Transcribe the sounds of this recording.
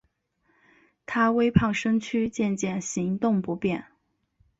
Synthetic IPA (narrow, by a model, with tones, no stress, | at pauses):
t̪ʰa˥we˥ɪpʰɑ˥˩ŋʂɤ˥ŋt͡ɕʰy˥t͡ɕjɛ˥˧nt͡ɕjɛ˥˩nɕi˧˥ŋt̪ʊ˥˩ŋpu˧˥pjɛ˥˩n